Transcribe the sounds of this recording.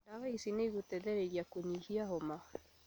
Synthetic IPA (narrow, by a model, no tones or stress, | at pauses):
naɣaisinɛiɣutɛðɛɾɛjakuɲihiahɔma